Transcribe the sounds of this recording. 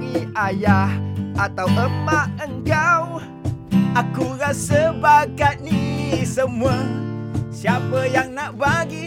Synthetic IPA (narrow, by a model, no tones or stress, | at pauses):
iajahat̪awʔəmaʔəŋkaw | ʔakuɾasəbaɡat̪̚nisəmuə | siapəjaŋnaʔbaɡi